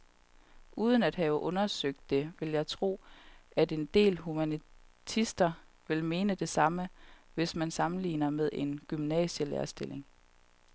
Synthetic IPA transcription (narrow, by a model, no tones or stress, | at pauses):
ʔuːð̞ˠən̩æd̥hæʊʔɔ̽nɐsøɡ̥̚d̥ːe̝ʋe̝ljɑ̈ɪt͡sʰʁo̝̰ːæd̥e̝nd̥e̝̰ːlɦumænit͡sʰisd̥ɐ | ʋe̝lme̝ːnəd̥e̝sɑ̈məʋe̝smænsɑ̈mn̩lḭːnɐmeð̞ˠʔe̝nɡ̥ymnɛ̰ːɕəlḛɐsd̥e̝lʔe̝ŋ